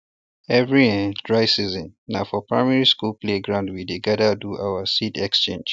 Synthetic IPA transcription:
ɛvɹiɛ̃dɹaɪsizɔ̃nːaʊfɔpʰɹa̰ɪmɛɹiskulpleɡɹãʊ̃ndwideɡɛdəduʔaʊwasidɛkst͡ʃẽnd͡ʒ

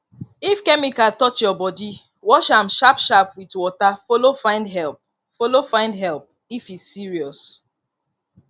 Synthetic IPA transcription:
ifkɛmikatɔt͡ʃjɔbɔdi | wɔʃãmʃapʃapwitwɔtafolofãɪ̃ndɦɛlp̚ | folofãɪ̃ndɦɛlˠp̚ | ifizːiɹiɔs

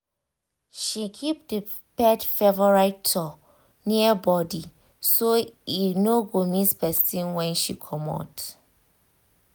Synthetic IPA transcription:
ʃikʰip̚də | pɛdfɛvɔɹaɪtʰɔ | niəbɔdi | soinoɡomispɛstĩnwɛ̃nʃikʰɔ̃mɔ̰t

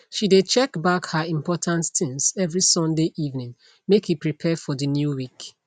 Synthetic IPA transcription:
ʃidet͡ʃɛkbakhaĩmpɔtʰãnttɪ̃ŋsɛvɹisɔ̃ndeʔivnĩŋ | mekipɹipʰɛfɔðɨnjuwik

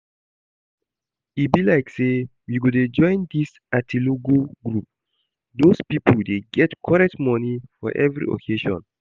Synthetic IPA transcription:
ibilaɪkse | wiɡoded͡ʒɔ̃ɪ̃nd̪is | atʰiloɡoɡɹup̚ | d̪ospipəldeɡɛtkʰɔɹɛk̚tmɔnifɔ̰ʔɛ̰vɹḭɔ̰kʰeʃɔ̰̃n

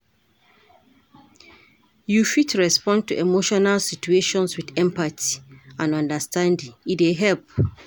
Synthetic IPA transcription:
jufitʰɹɛspɔ̃ntʰuʔemoʃɔnalsit͡ʃueʃɔ̃nswiθɛ̃mpʰatʰiãnɔ̃ndəstʰãndĩŋieɦɛlp̚

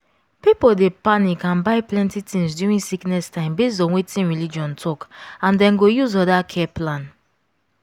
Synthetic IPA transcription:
pipodepanikãnbaɪplɛ̃ntitĩŋsduɹĩnsiknɛstãɪ̃mbes̬tɔ̃nwetĩnɹilid͡ʒɔ̃ntʰɔkãndɛ̃nɡojuzɔdakʰɛplãn

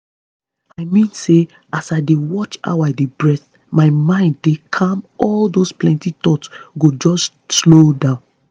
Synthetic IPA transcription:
aɪmĩnse | asaɪdewɔt͡ʃa̰ʊaɪdebɹɛθ | maɪmãɪ̃nddekʰãmɔldosplɛ̃ntitɔtsɡod͡ʒɔs | slodãʊ̃n

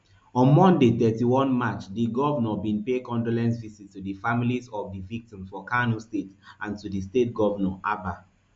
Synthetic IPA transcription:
ɔ̃nmɔ̃ndeθɛtiwɔ̃nmat͡ʃdiɡɔvənɔbĩnpekɔ̃ndolɛ̃nsvizitːudifamilizɔvdivik̚tĩmsfɔkanustetʔãntudistet̚ɡɔvənɔʔaba

